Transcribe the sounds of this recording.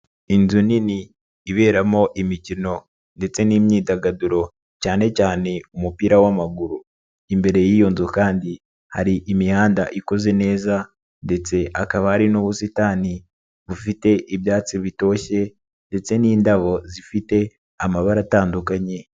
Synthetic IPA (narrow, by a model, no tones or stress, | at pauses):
inzuniniː | βe̞ːɾamo̞ʔimicino̞ | nde̞t͡se̞niːmɲiːdaɡaduɾo̞ | caːne̞caːne̞umupiːɾawamaɡuɾu | imbe̞ɾe̞jiːjo̞nzokaːndi | haɾiʔimihaːnda̰ʔiko̞ze̞ne̞ːza | nde̞t͡se̞ʔakaβahaɾinuβusitaːni | βufite̞ʔiβjaːt͡siβito̞ːçe̞ | nde̞t͡se̞niːndaβo̞zifite̞ | amaβaɾataːndukaɲe̞